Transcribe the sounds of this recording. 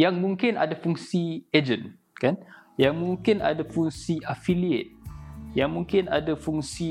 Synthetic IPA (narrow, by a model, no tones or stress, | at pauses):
jaŋmũŋkɪna̰dafuŋsied͡ʒən | kanjaŋmũŋkɪna̰dafuŋsiʔafiliḛt̪̚jaŋmũŋkɪna̰dafuŋsi